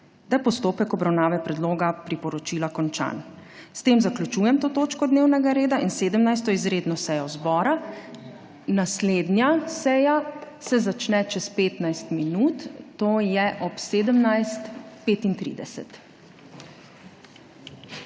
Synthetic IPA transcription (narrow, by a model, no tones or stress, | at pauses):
d̪apɔst̪oːpɛkɔbɾawnaːʋɛpɾɛd̪loːɡapɾipɔɾɔt͡ʃiːlakɔnt͡ʃa̰n | st̪eːmzaklʲjut͡ʃuːjɛmt̪oːt̪oːt͡ʃkɔd̪neːwnɛɡaɾeːd̪ainseːd̪əmnajst̪ɔizɾeːd̪nɔsɛjɔzbɔːɾa | nasled̪njasɛja | sɛzat͡ʃnɛt͡ʃɛspeːt̪najst̪minut̪ːoːjɛʔɔpseːd̪əmnajst̪peːt̪int̪ɾḭd̪ɛsɛ̰t̪